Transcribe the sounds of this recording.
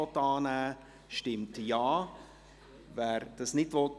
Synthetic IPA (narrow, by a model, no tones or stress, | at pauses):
ɔtɑːnæː | ʃtɪmtjɑː | væːɾd̥ɑsnɪtvɔt